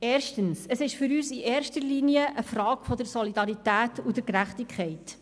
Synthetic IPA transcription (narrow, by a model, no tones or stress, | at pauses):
eːɾʃtənsəsɪʃfʏɾyːsiʔeːɾʃtəliniəʔəfrɑːɡfɔdəɾsɔlidɑɾitæːtʊdəkɾæχtɪkʰχɛɪt